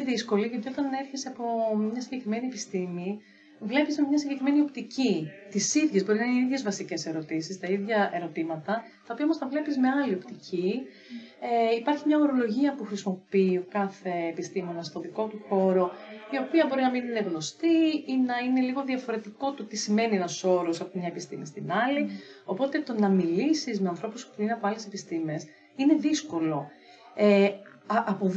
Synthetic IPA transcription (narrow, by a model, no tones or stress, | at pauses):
ðisko̞liʝɐt̪io̞t̪ɐne̞ɾçeseɐpomɲɐsiɲɟe̞kɾime̞nie̞pist̪imi | vle̞pizmemɲɐsiɲɟe̞kɾime̞nio̞pt̪icit̪isiðʝezbo̞ɾinɐiineiðʝe̞zvɐsice̞se̞ɾo̞t̪isist̪ɐiðʝɐʔe̞ɾo̞t̪imɐt̪ɐ | t̪ɐopiɐomost̪ɐvle̞pizme̞ɐlio̞pt̪ici | eipɐɾçimɲɐoɾo̞lo̞ʝiɐpuxɾisimo̞pio̞kɐθe̞ːpist̪imo̞nɐst̪o̞ðiko̞t̪uxo̞ɾo̞io̞piɐbo̞ɾinɐminineɣno̞st̪iinɐine̞liɣo̞ðiɐfo̞ɾe̞t̪iko̞t̪o̞t̪isime̞nienɐso̞ɾosɐpomɲɐepist̪ḭmist̪inɐlio̞po̞t̪e̞t̪o̞nɐmilisizmeɐnθɾo̞puspuineɐpoɐle̞sepist̪ime̞s | ine̞ðisko̞lo̞ | e | ɐʔɐpo